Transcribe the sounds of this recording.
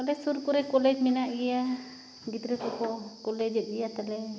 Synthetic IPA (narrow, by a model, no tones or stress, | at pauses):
kɔlɛsuɾkuɾɛkɔlɛd͡ʒminaʔɡɛja | ɡit̪ɾɛt̪ɔkɔkɔlɛd͡ʒɛt̪̚ˀɡijat̪alɛ